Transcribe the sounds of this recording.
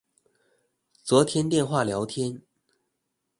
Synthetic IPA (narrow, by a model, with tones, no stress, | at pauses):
t͡swɔ˧˥t̪ʰjɛ˥nt̪jɛ˥˧nxwa˥˩ljɑ˧˥ʊt̪ʰjɛ˥n